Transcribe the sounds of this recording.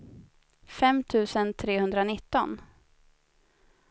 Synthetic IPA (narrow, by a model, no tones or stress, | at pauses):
fɛmt̪ʰʉ̟ːsənt̪ʰɾeːhɵnd̪ɾanɪt̪ːɔ̰n